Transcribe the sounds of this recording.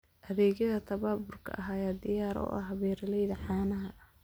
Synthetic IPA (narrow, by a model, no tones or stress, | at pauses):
ʔɐðɛːɣjɐðɐt̪ʰɐβaːbʊrkʰɐ̰ʔɐɦaːjaːd̪ɪjaːɾɔ̰ːʔɐ̰hɦɐβɛːɾɐlɛjðɐʕɑːnɐɦɐ